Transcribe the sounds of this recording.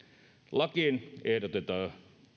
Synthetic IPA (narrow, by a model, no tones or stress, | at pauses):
lɑkiːnehdot̪et̪ɑː